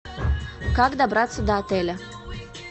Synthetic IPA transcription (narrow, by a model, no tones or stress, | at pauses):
kakd̪abɾat̪səd̪aat̪elʲa